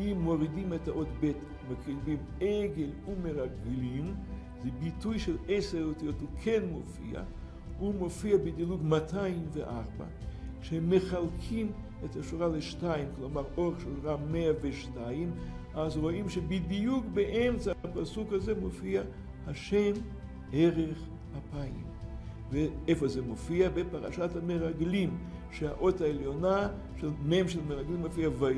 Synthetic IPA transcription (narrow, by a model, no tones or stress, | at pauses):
imːɔɾidimɛtaʔotbɛt | mɛkilbim | ɛɡɛlumeʁaɡɪlim | zibitujʃɛlˠɛsɛʁotijɔtlkʰɛnmofḭa̰ | umofiabɪdilˠuɡmatʰajmvɛ̰ʔa̰ʁba̰ | ʃɛmeχalˠkʰim | ɛtaʃuʁalɪʃtajɪmklˠɔmaʁoχʃuʁamɛaveʃtaim | ʔazʁoʔimʃebid̪ijukbeʔemt͡saapasukhazemofia | haʃem | eʁeχ | apaḭm | veefozemofiabepaʁa̰ʃathameʁaɡlimʃeha̰ʔotaeljona | ʃelmemʃelmeʁaɡlimofiava